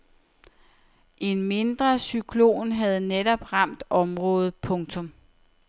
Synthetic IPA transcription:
ʔe̝nme̝nd̥ʁɐsykʰlo̝̰ːnɦæð̞̩ˠnedɒ̽b̥ʁɑ̈m̰d̥ɒ̽mʁɔ̽ːð̞̩ˠpʰɔ̽ŋt͡sʰɔ̽m

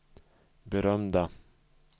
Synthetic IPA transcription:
bɛɾœmd̪a

